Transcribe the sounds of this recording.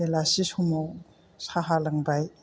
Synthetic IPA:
elasisumow | saɦalaŋbaj

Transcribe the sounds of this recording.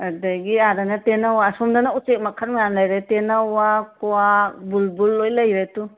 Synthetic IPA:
adaɡiadanatenawaːsomdanaut͡ʃek̚makʰaɾjanlajɾetenawakuabulbulːojlɐjɾetu

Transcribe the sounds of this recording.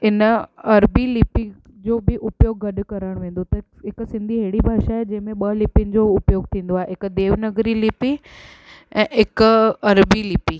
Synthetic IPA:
ɪnɐɾbilɪpi | d͡ʑoːbʱɪʔʊpjoːɡːɐɗkɐɾəɽ̃ʋẽːn̆d̪ot̪ɐ | ɦɪksɪ̃nd̪ʱiɦeːɽibʱaːʃaɦed͡ʑɐ̃ɦɪ̃mẽɓɐlɪpɪənɪ̆d͡ʑoʊpjoːɡt̪ʰĩːnd̪oaːeɦɪkd̪eːʋnəɡɾilɪpi | ɛ̃ːɪkɐɾbilɪpi

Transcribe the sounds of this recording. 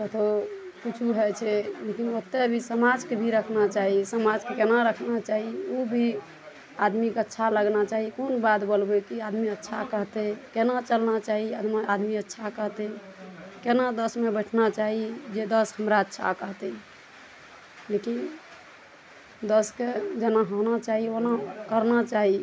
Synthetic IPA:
kət̪ʰokut͡ʃʰuɦɛt͡ʃʰɛlekinot̪ebʱisəmad͡ʒkebʱiɾəkʰnat͡ʃaɦisəmad͡ʒkekenaɾəkʰnat͡ʃaɦiobʱi | ad̪mikeətːʃʰaləɡnat͡ʃaɦikonbat̪bəlbekiad̪miətːʃʰakəɦt̪ekenat͡ʃəlnat͡ʃaɦiad̪mead̪miətːʃʰakəɦt̪e | kenad̪əsmebəʈʰnat͡ʃaɦid͡ʒed̪əsɦəmɾaətːʃʰa̰kəɦt̪e | lekin | d̪əsked͡ʒenaɦonat͡ʃaɦionakəɾnat͡ʃaɦi

